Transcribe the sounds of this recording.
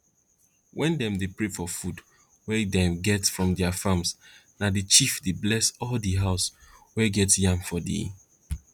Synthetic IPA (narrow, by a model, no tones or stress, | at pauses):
wʔɛ̃ndɛ̃mdepɹefɔfud | wɛdɛ̃mɡɛtsfɹɔ̃mdɛafãmsnadit͡ʃifdeblɛsɔldiɦaʊswɛɡɛtsjãmfɔdḭ